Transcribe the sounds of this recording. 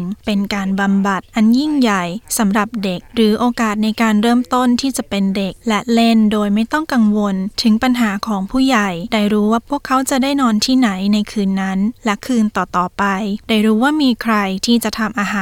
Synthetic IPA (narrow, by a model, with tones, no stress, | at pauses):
ŋpe˧nkaː˧nba˧mba˨˩t̪̚ʔa˧nji˥˩ŋja˨˩jsa˩˦mɾa˨˩p̚de˨˩k̚ɾɯː˩˦ʔoː˧kaː˨˩t̪̚na˧jkaː˧nɾɤː˥˩mt̪o˥˩nt̪ʰiː˥˩t͡ɕa˨˩pe˧nde˨˩k̚lɛ˦˥le˥˩ndoː˧jma˥˩jt̪ɔ˥˩ŋka˧ŋwo˧nt̪ʰɯ˩˦ŋpa˧nɦaː˩˦kʰɔː˩˦ŋpʰuː˥˩ja˨˩jdaː˥˩jɾuː˦˥waː˥˩pʰu˥˩əkʰːa˦˥wt͡ɕa˨˩daː˥˩jnɔː˧nt̪ʰiː˥˩na˩˦jna˧jkʰɯː˧nːa˦˥nlɛ˦˥kʰɯː˧nt̪ɔː˨˩t̪ɔː˨˩pa˧jdaː˥˩jɾuː˦˥waː˥˩miː˧kʰɾa˧jt̪ʰiː˥˩t͡ɕa˨˩t̪ʰa˧mʔaː˧ɦaː˨˦